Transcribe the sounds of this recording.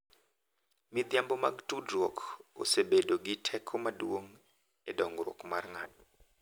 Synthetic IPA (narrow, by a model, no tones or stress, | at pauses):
mid̪jambɔma̰ɡtudɾwokʰo̰sebedoɡɪtʰɛkʰɔmadwoŋ | ɛdɔŋɡɾo̰kmarŋa̰t̚